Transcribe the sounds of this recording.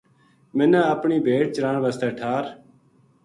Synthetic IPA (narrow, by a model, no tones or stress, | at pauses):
mɪnə̃ːəpɳiːbʱeːʈ̚t͡ʃɾãːɳʋəst̪ɛːʈʰaːɾ